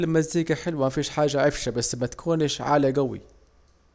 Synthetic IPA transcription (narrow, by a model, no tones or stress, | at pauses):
lmaziːɡaħɪlwamafiːʃħaːʒːaʕɪfʃabasːmat̪ḁkʰuːnʃʕa̰ːlaɡawḭ